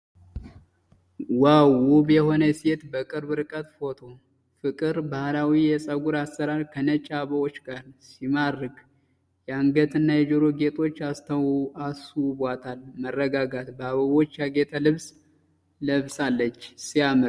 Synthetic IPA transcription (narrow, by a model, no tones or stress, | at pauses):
wawuβjɛho̞nəset̪bəkʼɨɾbɨɾɨkʼət̪fo̞t̪ʰo̞ | fɨkʼɨɾbahlawijɛsʼəɡuɾasːəɾaɾkʰənət͡ʃʼːaβəwo̞t͡ʃːɡʼaɾsimaɾːɨɡ | jɛaŋɡət̪ʼɨnːajɛd͡ʒoɾo̞ɡe̞t̪ʼo̞t͡ʃːast̪ʰəwasɨwβʷat̪ʰalmərːəɡaɡat̪bəaβəwo̞t͡ʃːjaɡe̞t̪ʰəlɨβs | ləβsalːət͡ʃːsiamɨɾ